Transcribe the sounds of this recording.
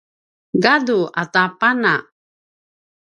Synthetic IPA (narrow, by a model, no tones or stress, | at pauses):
ɡaduatapana